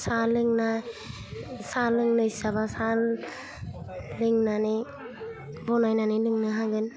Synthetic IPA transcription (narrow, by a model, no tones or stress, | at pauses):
salɯŋna | salɯŋnɯjsabasal | lɯŋnane | bɔnajnanɯlɯŋnaɦaɡɯn